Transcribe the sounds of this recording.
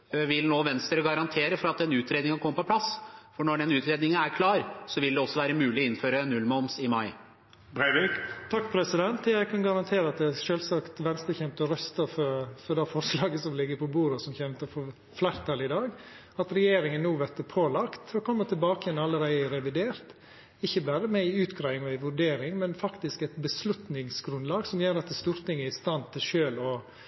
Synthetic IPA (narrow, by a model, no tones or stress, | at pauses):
ʋɪlnoːʋɛnst̪əɾəɡɑɾɑnt̪ʰeːɾəfɔɾɑt̪d̪ɛnʉːt̪ɾeːd̪ɪŋnkʰɔmːəpɔpʰlɑsfɔɳɔɖɛnʉːt̪ɾeːd̪nɪŋəæɾkʰlɑːɾsɔʋɪld̪ɛɔsːɔʋæːɾəmʉːlɪɔɪnføːɾənʉlːmɑʊmsɪmɑɪ | bt̪ʰɑkːpʰɾɛsɪd̪ɛnt̪jæɪkʰɑnɡɑɾɑnt̪ʰeːɾəɑt̪̚d̪ɛæʃølsɑkt̪ʋɛnst̪əɾçɛmt̪ɔɾœst̪əfɔɾfɔɾd̪ɛfɔɾslɑːɡəsɔmlɪɡːəɾpʰɔbuːɾɔsɔmçɛmt̪əɾfɔɾ | flæɪɾt̪ʰɑlɪd̪ɑːɡ | ɑt̪ɾɛjeːɾɪŋənːuːʋæɾt̪əpʰoːlɑkt̪ɔkʰɔmːət̪ʰɪlbɑːkəjɛnɑlːəɾæɪəɾɛʋɪd̪eːɾt̪ | ɪçːəbæɾəmɛɪʉːt̪ɡɾæɪɪŋɔɪʋʉɾɖeːɾɪŋmɛnfɑkt̪ɪskɛɪt̪bəslʉt̪nɪŋsɡɾʉnlɑːɡsɔmjøːɾɑt̪d̪ɛst̪uːɾt̪ɪŋːæɾɪst̪ɑnt̪ʰːɪlʃøːlɔ